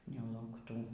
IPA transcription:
nʲɛlˠɐʊkˈtuː

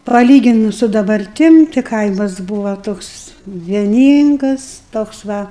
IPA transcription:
pɐˈlʲiːɡʲɪnʊs sʊ dɐbɐrʲˈtʲɪm tʲɪ ˈkɐɪmɐs ˈbuːʋɐ ˈtoːks ʋʲiɛˈnʲiːŋɡɐs toːks ˈʋɐ

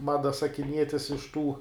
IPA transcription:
ˈmɑːdɐ sɐkʲɪˈnʲiɛtʲɪs ɪʃ ˈtuː

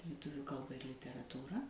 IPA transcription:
lʲɪˈtʊʋʲuː ˈkɐlˠbɐ ɪr lʲɪtʲɛrɐtuːˈrɐ

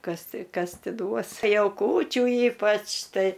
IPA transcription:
ˈkɐs ˈtʲɪ ˈkɐs ˈtʲɪ ˈduɔs ˈjɛʊ ˈkuːt͡ʃʲuː ˈiːpɐt͡ʃ ˈtɐɪ

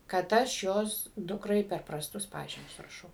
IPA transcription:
kɐt ˈɐʃ ˈjoːs ˈdʊkrɐɪ pʲɛr prɐsˈtʊs ˈpɑːʒʲiːmʲʊs rɐˈʃɐʊ

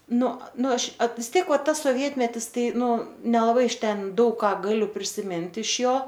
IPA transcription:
ˈnʊ ˈnʊ ˈɐʃ ɐt ʋʲɪs ˈtʲiɛk ˈʋɐ tɐs soːˈʋʲiɛtʲmʲɛtʲɪs ˈtɐɪ ˈnʊ nʲɛlˠɐˈbɐɪ ɪʃ ˈtʲɛn ˈdɐʊk ˈkɑː ɡɐˈlʲʊ pʲrʲɪsʲɪˈmʲɪnt ɪʃ ˈjoː

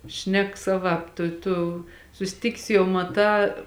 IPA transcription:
ˈʃʲnʲɛk ˈsɑːˌʋɑːp ˈtʊ ˈtʊ sʊsʲˈtʲɪkʲɪs jɛʊ mɐˈtɑː

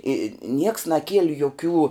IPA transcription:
ɪ nʲiɛks nɐˈkʲiɛlʲɪ joːˈkʲuː

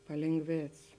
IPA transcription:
pɐlʲeːŋˈɡʋʲeːt͡s

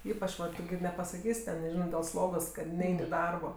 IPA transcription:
ˈiːpɐt͡ʃ ˈʋɐt ˈtʊ ɡʲɪ nʲɛpɐsɐˈkʲiːsʲ ˈtʲɛn nʲɛˈʒʲɪnoː dʲeːlˠ ˈslˠoːɡoːs kɐt ˈnʲɛɪnʲ ɪ ˈdɐrboː

